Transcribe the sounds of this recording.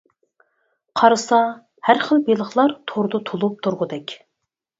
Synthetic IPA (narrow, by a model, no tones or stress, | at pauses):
qʰɑɾɨsɑ | hæɾχəlˠbelˠəχlˠɑɾt̪ʰoɾd̪ʊt̪ʰolˠup̚t̪ʰuɾʁʊd̪ɛkʲ